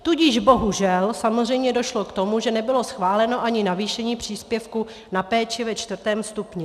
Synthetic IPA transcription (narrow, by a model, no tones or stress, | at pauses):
t̪uɟɪʒbo̞ɦuʒɛlsamo̞zr̝ɛjmɲɛdo̞ʃlokt̪o̞muʒɛnɛbɪlo̞sxvaːlɛno̞ʔaɲɪnaviːʃɛɲiːpr̝̥iːspjɛfku | napɛːt͡ʃɪvɛt͡ʃt̪vr̩t̪ɛːmst̪upɲɪ